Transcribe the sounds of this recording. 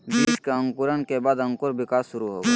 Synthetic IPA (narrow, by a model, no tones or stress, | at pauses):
biːʃkeə̃ŋkʊɾənkebaːd̪ə̃ŋkʊɾʋɪkaːsʃʊɾuɦo̰ːɡe